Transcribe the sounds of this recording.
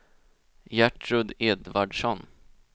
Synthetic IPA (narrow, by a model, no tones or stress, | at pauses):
jæʈɾɵd̪ɛd̪vaɖʂɔn